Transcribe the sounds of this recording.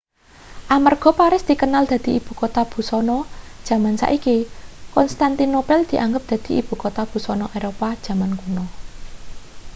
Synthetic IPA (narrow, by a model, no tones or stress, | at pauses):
ʔamarɡ̥ɔ̤paɾɪsd̪̥i̤kənald̪̥ä̤d̪̥i̤ib̥ṳkot̪ab̥ṳsɔnɔd̥ʒ̥ä̤mansa̰ʔikikɔnst̪ant̪inopɛld̪̥i̤ʔaŋɡəp̚d̪̥ä̤d̪̥i̤ʔḭb̥ṳkot̪ab̥ṳsɔnɔʔeɾopad̥ʒ̥ä̤mankunɔ